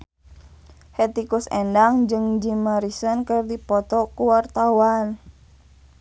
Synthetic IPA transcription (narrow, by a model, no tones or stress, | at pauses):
hɛt̪ikusɛndaŋd͡ʒɨŋd͡ʒimaɾisənkɨrdipɔt̪ɔkuwart̪awan